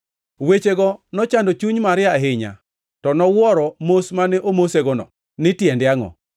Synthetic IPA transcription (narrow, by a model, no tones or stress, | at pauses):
wet͡ʃeɡɔnɔt͡ʃandot͡ʃuɲmaɾɪaɦɪɲa̰ | tɔnɔwɔɾɔmosmanɛʔomoseɡɔnɔ̰ | nɪtjɛndjaŋɔ̰